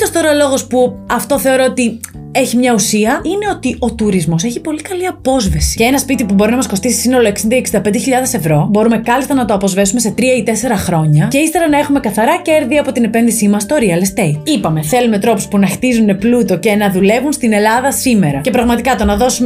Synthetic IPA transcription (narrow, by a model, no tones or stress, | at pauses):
t̪ost̪o̞ɾɐlo̞ɣo̞spuɐft̪o̞θe̞o̞ɾoot̪i | eçimɲɐusiɐine̞o̞t̪io̞t̪uɾizmo̞seçipo̞likɐliɐpo̞zve̞si̥ceenɐspit̪ipubo̞ɾinɐmɐsko̞st̪isi̥sino̞lo̞e̞ksind̪ɐieksind̪ɐpe̞nd̪eçiʎɐðe̞se̞vɾo̞bo̞ɾume̞kɐlist̪ɐnɐt̪oɐpozve̞sume̞se̞t̪ɾiɐit̪e̞se̞ɾɐxɾo̞ɲɐceist̪e̞ɾɐnɐe̞xume̞kɐθɐɾɐce̞ɾðiɐpo̞t̪ine̞pe̞nðisimɐst̪o̞ɾiɐlest̪ejt̪ipɐme̞θe̞lume̞t̪ɾo̞pu̥spunɐxt̪izune̞plut̪o̞ce̞nɐðule̞vunst̪ine̞lɐðɐsime̞ɾɐce̞pɾɐɣmɐt̪ikɐt̪o̞nɐðo̞sum